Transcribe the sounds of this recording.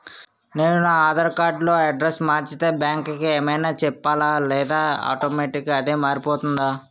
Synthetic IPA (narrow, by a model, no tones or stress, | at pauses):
ne̞ːnunaaːd̪ɐɾkaːɾɖlo̞ːɐɖɾesmaːɾt͡ʃit̪e̞ːbjaːŋkkieːmɐjnaːt͡ʃɛpːaːlaːlɛːd̪aːa̰ːʈoːmeːʈikɐd̪e̞ːmaːɾipoːt̪und̪aː